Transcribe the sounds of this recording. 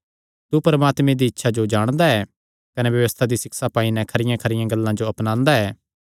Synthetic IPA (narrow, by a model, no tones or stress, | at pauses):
t̪upɐɾəmaːt̪mẽd̪iɪtːʃʰad͡ʒod͡ʒaːɽ̃d̪aɛː | kɐneʋjɐʋəst̪ʰad̪isɪksapaːinɛ̃kʰɐɾɪjãkʰɐɾɪjãɡɐlːãd͡ʒoɐpnãːnd̪aɛː